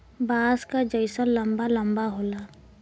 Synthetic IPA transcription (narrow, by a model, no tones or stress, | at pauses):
baːzkad͡ʒəɪsənləmbalə̃mbaɦoːlaː